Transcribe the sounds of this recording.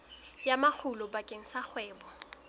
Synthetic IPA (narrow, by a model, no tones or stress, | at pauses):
jamak͡xʰulɔbakʼeŋ̩sak͡xʰwɛːbɔ